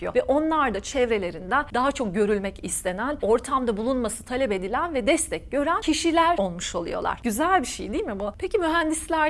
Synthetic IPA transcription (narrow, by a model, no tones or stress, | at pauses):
ijo̞̰vɛʔo̞nlˠaɾd̪at͡ʃʰɛvɾe̞lʲe̞ɾind̪ɛd̪aɦat͡ʃʰo̞k̚ɟø̞ɾylʲmɛcist̪ʰe̞næno̞ɾt̪ʰamd̪abulˠunmasɯ̥t̪ʰalʲɛpe̞d̪ilʲænvɛd̪ɛst̪ʰɛc̚ɟø̞ɾæncʰiʃilʲæɾo̞lˠmuʃo̞lˠṵjo̞̰lˠa̰ɾɟyzælʲbiʃejd̪iːlʲmibupʰecimyɦænd̪islʲæ